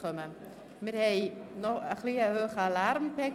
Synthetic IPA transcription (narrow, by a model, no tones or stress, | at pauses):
ømə | mɪthɛjnɔəxliəɦøːxəalarmpɛk